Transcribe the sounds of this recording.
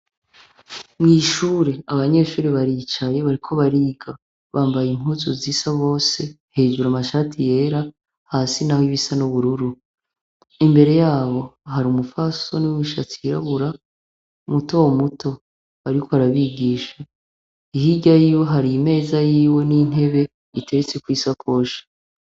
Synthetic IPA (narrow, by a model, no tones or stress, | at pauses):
mŋiːʃuːɾe̞aβaɲe̞ʃuːɾeβaɾit͡ʃaje̞βaɾikʰo̞βaɾiːɡa | βaːmbajim̥huzoziːsaβo̞ːse̞ | he̞ːd͡ʒuɾamaʃaːtʰije̞ːɾa | hasinahiβisanoβuɾuɾu | imbe̞ɾe̞jaːβo̞ɦaɾumufaso̞niwiʃat͡siɾaβuɾa | umuto̞womuto̞ | aɾikʰo̞βaɾaβiɡiːʃa | ihiɟajiːwo̞ɦaɾime̞ːzajiːwe̞nin̥e̞βe̞ | itʰe̞ɾet͡se̞kwiːsakʰo̞ːʃḁ